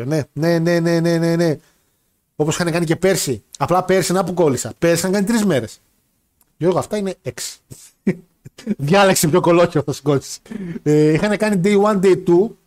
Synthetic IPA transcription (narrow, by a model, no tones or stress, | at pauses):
one̞ne̞ne̞ne̞ne̞ne̞ne̞ | o̞posi̥xɐne̞kɐnice̞pe̞ɾsiɐplɐpe̞ɾsinɐpuko̞lisɐpeɾsixɐnɐkɐnit̪ɾizme̞ɾe̞s | ʝo̞ɾɣoɐft̪ɐine̞eksi̥ | ðʝɐleksepçoko̞loçeoθɐsi̥ɡosi̥seixɐne̞kɐnid̪ejwɐnd̪ejt̪u